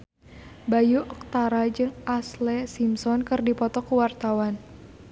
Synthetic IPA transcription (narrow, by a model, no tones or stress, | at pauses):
bajuʔək̚t̪aɾad͡ʒɨŋaslɛsimsɔnkɨrdipɔt̪ɔkuwart̪awan